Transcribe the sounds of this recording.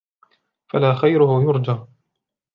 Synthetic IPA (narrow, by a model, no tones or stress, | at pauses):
falaːxajɾʊhʊjʊɾˤd͡ʒaː